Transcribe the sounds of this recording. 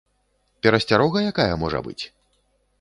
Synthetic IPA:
pʲɛɾɐsʲt͡sʲaɾɔɣɐjakajɐmɔʐɐ̰bɨ̰t͡sʲ

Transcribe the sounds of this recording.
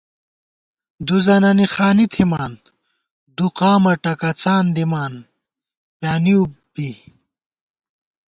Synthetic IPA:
d̪uzɐnɐnixaːnit̪ʰimaːn | d̪uqaːmɐʈɐkɐt͡saːnd̪imaːn | pjaːniubi

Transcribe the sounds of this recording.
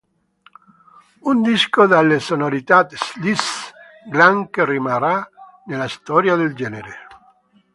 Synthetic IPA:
und̪iskod̪alːesonoɾit̪at̪slis | ɡlaŋkerimaɾa | nelast̪ɔɾjaðeld͡ʒɛːneɾe

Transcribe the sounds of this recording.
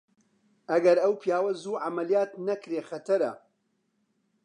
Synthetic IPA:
ʔɐɡɐɾɐwpʰjaːwɐzuːʕamɐlijaːt̪nɐkɾeːxɐt̪ʰɐɾɐ̰

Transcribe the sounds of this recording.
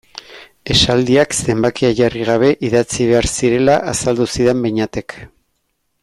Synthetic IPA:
e̞sald̪iakse̞mbakiaʝariɣ̞aβ̞e̞ʔiðat͡siβe̞aɾsiɾe̞laʔasald̪usiðe̞mbeɲat̪e̞k

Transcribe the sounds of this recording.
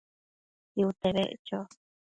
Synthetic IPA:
iut̪eβḛʔt͡ʃo

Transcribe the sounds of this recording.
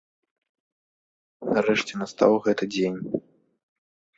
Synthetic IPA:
naɾɛʂt͡sʲɛnast̪a̰wɣɛt̪ɨd͡zʲenʲ

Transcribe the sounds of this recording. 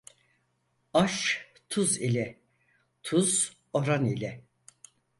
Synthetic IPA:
aʃ | t̪ʰuzilʲɛ | t̪ʰuz̥ | oɾanilʲɛ

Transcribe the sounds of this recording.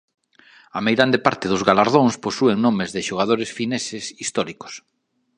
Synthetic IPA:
amejɾand̪epaɾt̪ɪðʊzɣalaɾð̞oŋsposueŋnõmezðɪʃoɣ̞aðoɾesfinesesist̪ɔɾikʊ̥s

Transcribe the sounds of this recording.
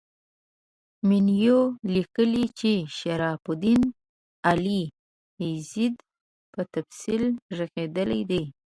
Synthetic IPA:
minjolikəlit͡ʃeʃaɾɑfʊd̪in | ali | ezid̪ | pət̪absilʐəɣed̪əlajd̪ej

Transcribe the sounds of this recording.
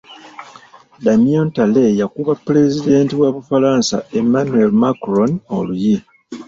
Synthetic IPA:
damiontalejakuβapːle̞zide̞ːntiwaβufalaːnsae̞manue̞lmakɾonoluji

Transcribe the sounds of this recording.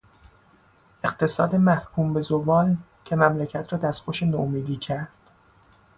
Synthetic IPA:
ʔe̞qt̪ʰe̞sɒ̰ːd̪emæhkʰuːmbe̞zovɒːl | cʰe̞mæmlæcʰæt̪ʰɾɒːd̪æst̪xoʃenoomiːd̪iːcʰæɾd̪̥

